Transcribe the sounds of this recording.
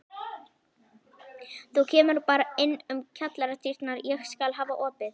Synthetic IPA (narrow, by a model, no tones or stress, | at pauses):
θucʰɛːmʏɾpaːɾaɪnːʏmcʰat̪laɾat̪ʰir̥t̪naɾjɛɣskalɦaːvaʔɔːpɪθ